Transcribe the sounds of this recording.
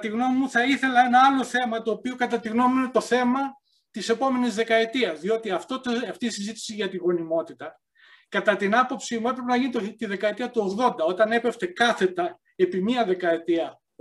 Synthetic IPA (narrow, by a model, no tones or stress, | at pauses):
t̪iɣno̞mimuθɐiθe̞lɐe̞nɐɐlo̞θe̞mɐt̪o̞ːpiokɐt̪ɐt̪iɣno̞muine̞t̪o̞θe̞mɐ | t̪ise̞po̞me̞nizðe̞kɐe̞t̪iɐzðio̞t̪iɐft̪ot̪ɐft̪iːsizit̪i̥siʝɐt̪iɣo̞nimo̞t̪it̪ɐ | kɐt̪ɐt̪inɐpo̞psimue̞pɾepenɐʝinit̪t̪iðe̞kɐet̪iɐt̪uo̞ɣðo̞nd̪ɐo̞t̪ɐne̞peft̪e̞kɐθe̞t̪ɐ | e̞pimiɐðe̞kɐe̞t̪iɐ